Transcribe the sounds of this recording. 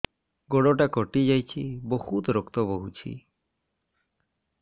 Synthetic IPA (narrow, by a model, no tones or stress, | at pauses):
ɡɔɽɔʈakɔʈid͡ʒajt͡ʃʰibɔhut̪ɾɔkt̪ɔbɔɦut͡ʃʰḭ